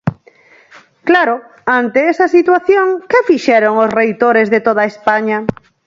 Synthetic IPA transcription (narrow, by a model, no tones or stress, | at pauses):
klaɾo | ant̪eɛsɐsit̪waθjoŋkefiʃɛɾoŋosrejt̪oɾezðet̪oð̞aespaɲa